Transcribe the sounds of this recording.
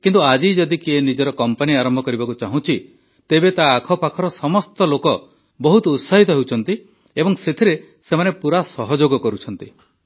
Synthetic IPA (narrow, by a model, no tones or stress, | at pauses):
kint̪uad͡ʒid͡ʒɔd̪ikienid͡ʒɔɾɔkɔmpaniaɾɔmbʱɔkɔɾibakut͡ʃaɦũt͡ʃʰi | t̪ebet̪aːkʰɔpakʰɔɾɔsɔmɔst̪ɔlokɔ | bɔɦut̪ɔut̪saɦit̪ɔɦewt͡ʃʰɔn̪t̪i | ebɔŋset̪ʰiɾe | semanepuɾasɔɦɔd͡ʒoɡɔkɔɾut͡ʃʰɔnt̪i